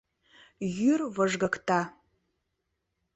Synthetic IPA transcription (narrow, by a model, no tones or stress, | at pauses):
jʏrvɐʐɡɐkʰtʰʼa